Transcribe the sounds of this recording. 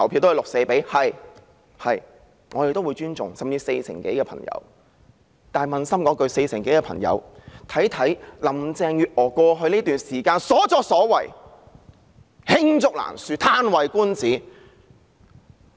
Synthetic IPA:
ɐ˨˩wpʰi˧t̪ːlʊ˨k̚se˧jpe˨˥jhɐ˨j | hɐ˨j | ŋɔː˨˧de˨jt̪o˥wuː˨˧jt͡ʃyː˥nt͡sʊ˨ŋsɐ˨mt͡siː˧se˧jsʰɪ̰˨˩ŋke˨˥jkɛː˧pʰɐ̰˨˩ŋjɐ̰˨˧˥w | t̪aː˨˩mɐ˨nsɐ˥mkɔː˨˧˥kɵ˧ɥse˧jsɪ˨˩ŋke˨˥jkɛː˧pʰɐ̰˨˩ŋjɐ̰˨˧wt̪ʰɐ˨˥jt̪ʰɐ˨˥jlɐ˨˩mt͡sɛː˧ŋjyː˨t̚ʔɔː˨˩kɔː˧ɦɵ˧niː˥t̪yː˨nsiː˨˩kaː˧nsɔː˨˥t͡sɔː˧k̚sɔː˨˥wɐ̰˨˩j | hɪ˥ŋt͡sʊ˨˥k̚la̰ː˨˩nsyː˧t̪ʰaː˥nwɐ˨jkuː˥nt͡siː˨˥

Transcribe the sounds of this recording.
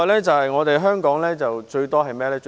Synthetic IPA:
lɛː˥t͡sɐ˨whɐ˨jŋɔː˨˧t̪e˨jɦœː˥ŋkɔː˨˥ŋlɛː˥t͡sɐ˨wt͡ʃɵ˧ɥt̪ɔː˥ɦɐ˨jmɛː˥lɛː˥t͡ʃ

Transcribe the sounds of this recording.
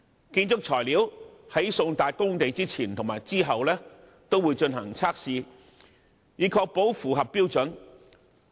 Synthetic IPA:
kiː˧nt͡sʊ˥k̚t͡ʃʰɔː˨˩jliː˨˥whɐ˨˥jsʊ˧ŋt̪aː˨˧t̚kʊ˥ŋt̪e˨˧jt͡siː˥t͡sʰiː˨˩nt̪ʰʊ˨˩ŋmaː˨˩jt͡siː˥ɦɐ˨wlɛː˥ | t̪o˥wuː˨˧jt͡ʃɵ˧nɦɐ˨˩ŋt͡sʰaː˥k̚siː˨˧ | jiː˨kʰɔː˧k̚po˨˥wfuː˨˩ɦɐ˨pːi˥wt͡sɵ˨˥n

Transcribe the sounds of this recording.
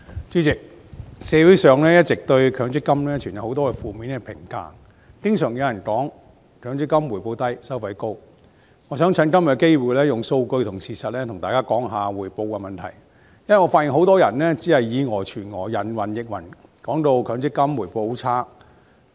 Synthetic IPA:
t͡ʃyː˨˥t͡sɪ˨k̚ | sɛː˨˧wuː˨˥sœː˨˧ŋlɛː˥jɐ˥t̚t͡sɪ˨k̚t̪ɵ˧ɥkʰœː˨˥ŋt͡sɪ˥kːɐ˥mlɛː˥t͡ʃʰyː˨˩njɐ˨who˨˥wt̪ɔː˥kɛ˧fuː˨˧miː˨˥nkɛ˧pʰɪ˨˩ŋka̰ː˧ŋ | kɪ˥ŋsœː˨˩ŋjɐ˨˧wjɐ˨˩nkɔː˨˥ŋ | kʰœː˨˥ŋt͡sɪ˥kːɐ˥mwuː˨˩jpo˧wt̪ɐ˥jsɐ˥wfɐ˨˥jko˥w | ŋɔː˨˧s̬œː˨˥ŋt͡sʰɐ˨˥nkɐ˥mjɐ˨˧˩ke˥jwuː˨jlɛː˥jʊ˨ŋso˧wkɵ˧ɥt̪ʰʊ˨˩ŋsiː˨sɐ˨t̚lɛː˥t̪ʰʊ˨˩ŋt̪aː˨kaː˥kɔː˨˥ŋɦaː˨wuː˨˩jpo˧wkɛ˧mɐ˨nt̪ʰɐ̰˨˩j | jɐ˥nwɐ˨˩jŋɔː˨˧faː˧tjɪ˨ŋɦo˨˥wt̪ɔː˥jɐ˨˩nlɛː˥t͡siː˨˥hɐ˨jːiː˨˧ŋɔː˨˩t͡ʃʰyː˨˩nŋɔː˨˩jɐ˨˩nwɐ˨˩njɪ˨k̚wɐ̰˨˩nkɔː˨˥ŋt̪o˧wkʰœː˨˥ŋt͡sɪ˥kːɐ˥mwuː˨˩jpo˧wt͡sʰaː˥

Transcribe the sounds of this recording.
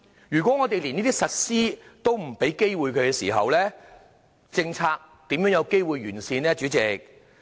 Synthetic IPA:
jyː˨˩kʷɔ˨˥ŋɔː˨˧t̪e˨jli˨˩niː˥t̪i˥sɐ˨t̚siː˥t̪o˥wm̩˨˩pe˨˥jke˥jwuː˨jkʰɵ˨˧ɥkɛː˧siː˨˩ɦɐ̰˨wlɛː˥ | t͡sɪ˧ŋt͡sʰaː˧k̚ | t̪iː˨˥mjœː˨˥ŋjɐ˨˧wke˥jwu˨jɥyː˨˩nsiː˧nlɛː˥t͡ʃy˨˥t͡sɪ˨k̚

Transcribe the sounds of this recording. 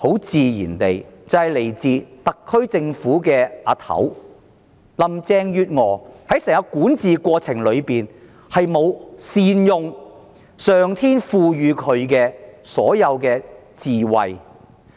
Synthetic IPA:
ho˨˥wt͡siː˨jḭː˨˩nt̪e˨jt͡sɐ˨˧whɐ˨jle˨˩jt͡siː˧t̪ɐ˨kʰːɵ˥ɥt͡sɪ˧ŋfuː˨˥kɛː˧aː˧˥t̪ʰɐ̰˨˥w | lɐ˨mt͡sɛː˧ŋjyː˨˧t̚ŋɔː˨˩hɐ˨˥jsɛː˨˩ŋɐ˧kuː˨˥nt͡siː˨˧kʷɔː˧t͡sʰɪ˨˩ŋlɵ˨˧ɥpiː˨n | hɐ˨jmo˨˧wsiː˧njʊ˧ŋ | sœː˨˩ŋt̪ʰiː˥nfuː˨jyː˨˧kʰɵ˨˧ɥkɛː˧sɔ̰ː˨˥jɐ˨˧wkɛː˧ | t͡siː˨wɐ̰˨j

